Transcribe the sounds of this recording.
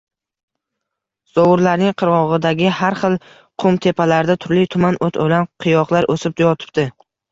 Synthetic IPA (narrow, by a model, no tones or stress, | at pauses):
z̥ɒwʊɾlaɾnɪŋqʰɨɾʁɒʁɨd̪aɡʲɪhaɾχɨlˠ | qʰʊmt̪ʰe̞pʰalaɾd̪at̪ʰʊɾlɪt̪ʰʊmanʔot̪ʰo̰lanqʰɨjɒqlˠaɾʔosɪp̚d̪ajɒt̪ʰɪ̥p̚t̪ɪ